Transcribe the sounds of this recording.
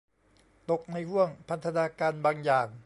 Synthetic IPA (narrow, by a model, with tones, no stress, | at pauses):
t̪o˨˩k̚na˧jhu˥˩əŋpʰa˦˥t̪ʰa˧naː˧kaː˧nbaː˧ŋjaː˨˩ŋ